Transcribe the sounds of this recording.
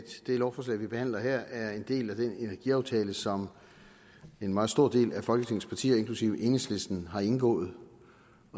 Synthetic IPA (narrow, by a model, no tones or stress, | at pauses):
d̥d̥e̝lɒʊfɒslɛ̰ɪʋib̥e̝hæn̰lɐhɛɐ̰æɐe̝nd̥e̝̰ːlæd̥ene̝næɐɡ̥iɑ̈ʊt͡sʰɛːləsɒ̽m | e̝nmɑ̈ːð̩ˠsd̥o̝ɐ̰d̥e̝̰ːlæfɒ̽lɡ̥ət͡sʰe̝ŋ̰n̩spʰɑ̈t͡sʰḭːɐe̝nŋkʰlusiʊ̰ʔe̝nesle̝sd̥n̩ɦɑ̈e̝nɡ̥ɔ̰̽ːð̩ˠ